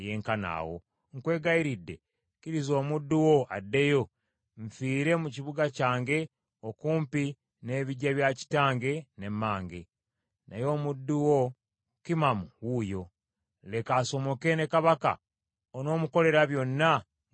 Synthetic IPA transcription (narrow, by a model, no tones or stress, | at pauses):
eje̞ːŋkana̰ːwo̞̰ | ŋkwe̞ːɡaiɾidːe̞̰ | kiɾizo̞ːmudːuwo̞adːe̞jo̞ | ɱfiːɾe̞muciβuɡacaːŋɡe̞ | okuːmpi | ne̞βiɟːaβjaci̥taːŋɡe̞ne̞mːaːŋɡe̞ | najo̞ːmudːuwo̞ | kimamuwujo̞ | le̞kaːso̞mo̞ke̞ne̞kaβaka̰ | ono̞ːmuko̞le̞ɾaβjo̞nːa